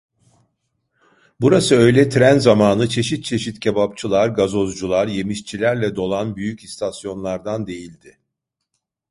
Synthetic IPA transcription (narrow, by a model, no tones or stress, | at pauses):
buɾasɯø̞jlʲɛt̪ʰɾænzamaːnɯt͡ʃʰe̞ʃit̪̚t͡ʃʰe̞ʃit̪cʰebapt͡ʃʰɯlˠaɾɡazo̞zd͡ʒulˠaɾje̞miʃt͡ʃʰilʲæɾlʲɛd̪o̞lˠanbyjycist̪ʰasjo̞nlˠaɾd̪and̪e̞jilʲd̪ɪ